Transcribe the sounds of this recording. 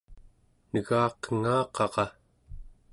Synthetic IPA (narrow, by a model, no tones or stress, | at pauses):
nəɣɑːqəŋɑːqɑʁɑ